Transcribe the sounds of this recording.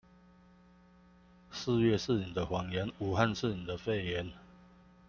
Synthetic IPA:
s̩˥˧ɥɛ˥˨ʂ̩˥˨ni˨˩d̪ə˦xwɑ˨˩ŋjɛ˨˦nu˨˩ha˥˧nʂ̩˥˨ni˨˩d̪ə˦fe˥˨ɪjɛ˨˦n

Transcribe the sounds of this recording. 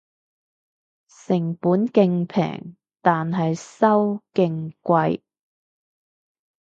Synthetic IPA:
sɪ˨˩ŋpuː˨˥nkɪ˧ŋpʰɛ̰ː˨˩ŋ | t̪aː˨nɦɐ˨jsɐ˥wkɪ˧ŋkʷɐ˧j

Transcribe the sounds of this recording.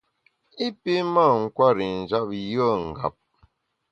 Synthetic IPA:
i˦pi˦ma˦˨ŋ̩˦˨kwa˦ɾi˨n̩˨d͡ʒa˦p̚jə˦˨ŋ̩˨ɡa̰˨p̚

